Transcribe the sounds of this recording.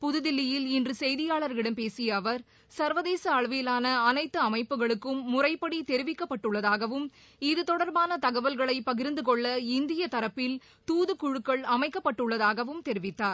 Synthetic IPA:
pʊðɯðɪlːɪjɪlɪndrɯsɛjðɪjaːɭɐɾɣɪɽɐmpeːsɪjɐːʋɐɾ | sɐɾʋɐðeːsɐːɭʋɪlaːnɐːnɐɪt̪ːɯɐmɐɪpːɯɣɐɭɯkːɯmːʊrɐɪpːɐɽit̪ɛɾɪʋɪkːɐpːɐʈːɯɭːɐðaːɣɐʋɯm | ɪðɯt̪ɔɽɐɾbaːnɐt̪ɐɣɐʋɐlɣɐɭɐɪpːɐɣɪɾnd̪ɯkɔɭːɐɪnd̪ɪjɐt̪ɐɾɐpːɪl | t̪uːðɯkʊɻɯkːɐɭɐmɐɪkːɐpːɐʈːɯɭːɐðaːɣɐʋɯmt̪ɛɾɪʋɪt̪ːaːɾ

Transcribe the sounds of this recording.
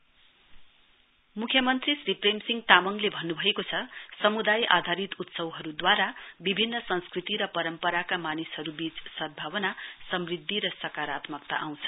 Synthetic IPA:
mukʰjʌmʌnt̪risripremsiŋɡt̪amʌŋlebʱʌnːubʱʌekot͡sʰʌsʌmud̪ajʔa̰d̪ʱaɾit̪ut̪sʌwɦʌɾud̪waɾabibʱinːʌsʌ̃nskrit̪iɾʌpʌɾʌmpʌɾakamanishʌɾubit͡ssʌd̪̚bʱawʌnasʌmrid̪ʱːiɾʌsʌkaɾat̪mʌk̚t̪a̰ʔaw̃t͡sʰʌ̥

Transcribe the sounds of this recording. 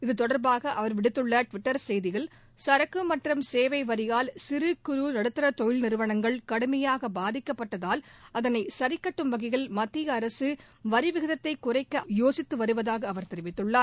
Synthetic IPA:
ɪðɯt̪ɔɽɐɾbaːɣɐʔɐʋɐɾʋɪɽɯt̪ːɯɭːɐʈʋɪʈːɐɾsɛjðɪɣɐɭ | sɐɾɐkːɯmɐʈrɐmseːʋɐɪʋɐɾɪjaːlsɪɾɯkɯɾunɐɽɯt̪ːɐɾɐt̪ɔjɪlnɪɾɯʋɐnɐŋɡɐɭkɐɽɯmɐjaːɣɐbaːðɪkːɐpːɐʈːɐðaːlɐðɐnɐɪsɐɾɪkːɐʈːɯmʋɐɣɐɣɐɭmɐt̪ːɪjɐːɾɐsɯ | ʋɐɾɪʋɪɣɐðɐt̪ːɐɪkːʊrɐɪkːɐjoːsɪt̪ːɯʋɐɾɯʋɐðaːɣɐːʋɐɾt̪ɛɾɪʋɪt̪ːɯɭːaː

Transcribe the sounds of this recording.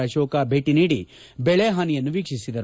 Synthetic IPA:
ɐʃoːkabʱeːʈiniːɽḭ | bɛɭeːɦaːnijɐnːuʋiːkʂisid̪ɐɾ

